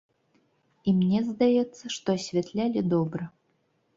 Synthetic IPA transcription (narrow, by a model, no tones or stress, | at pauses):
imnʲezd̪ajɛt̪sːəʂt̪oɐsʲvʲɛt̪lʲælʲid̪obɾə